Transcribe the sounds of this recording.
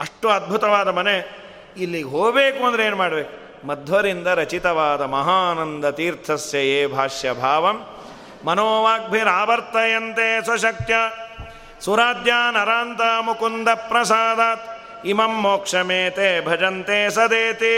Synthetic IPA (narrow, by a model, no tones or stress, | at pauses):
ɐʂʈuɐd̪̚bʱut̪ɐʋaːd̪ɐmɐne | ilːiɡɦoːɡbeːkuɐnd̪ɾeeːnmaːɽɐbeːku | mɐd̪ʱʋɐɾind̪ɐɾɐt͡ʃit̪ɐʋaːd̪ɐmɐɦaːnɐnd̪ɐt̪iːɾt̪ʰɐsjɐeːbʱaːʂjɐbʱaːʋɐmː | ɐnoːʋaːk̚bʱinaːbɐɾt̪ɐjɐnt̪eːsɐʃɐk̚t̪jaː | suɾaːd̪jaːnɐɾaːnt̪aːmukund̪ɐpɾɐsaːd̪aːt̪ | imɐmːoːkʂɐmeːt̪eːbʱɐd͡ʒɐnt̪eːsɐd̪eːt̪i